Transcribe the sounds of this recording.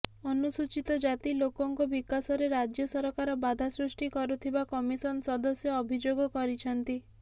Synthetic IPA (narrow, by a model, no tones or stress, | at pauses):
ɔnusut͡ʃit̪ɔd͡ʒat̪ilokɔŋkɔbikasɔɾeɾad͡ʒjɔsɔɾɔkaɾɔbad̪ʱasɾusʈikɔɾut̪ʰibakɔmisɔnɔsɔd̪ɔsjɔːbʱid͡ʒoɡɔkɔɾit͡ʃʰɔnt̪i